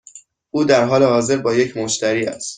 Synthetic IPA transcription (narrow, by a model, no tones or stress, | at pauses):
ʔuːd̪æɾɦɒːlehɒːze̞ɾbɒːje̞cʰmoʃt̪æɾiːæ̰st̪